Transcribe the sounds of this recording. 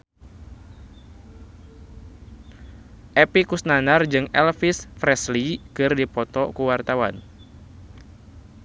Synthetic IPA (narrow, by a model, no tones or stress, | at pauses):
ʔɛpikusnanard͡ʒɨŋɛlfisfɾɛslikɨrdipɔt̪ɔkuwart̪awan